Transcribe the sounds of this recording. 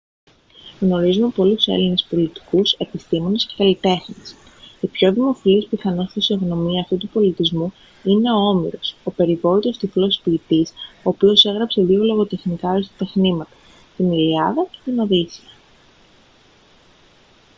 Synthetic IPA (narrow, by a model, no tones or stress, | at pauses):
ɣno̞ɾizumepo̞luse̞̰line̞spo̞lit̪i̥kuse̞pist̪imo̞ne̞scekɐlit̪e̞xnes | ipço̞ðimo̞filispiθɐno̞st̪isioɣno̞miɐːft̪ut̪upo̞lit̪izmu | ine̞o̞o̞mḭɾo̞so̞pe̞ɾivo̞it̪o̞st̪iflo̞spiːt̪iso̞ːpio̞se̞ɣɾɐpse̞ðio̞lo̞ɣo̞t̪e̞xnikɐoist̪ɐ̥t̪exnimɐt̪ɐ̥ | t̪iniliɐðɐce̞̥t̪ino̞ðisiɐ